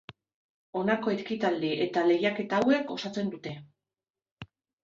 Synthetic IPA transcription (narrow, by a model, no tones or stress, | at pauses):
o̞nako̞e̞ɾkit̪ald̪iʔe̞t̪ale̞jake̞t̪aːwe̞ko̞sat͡se̞nd̪ut̪e̞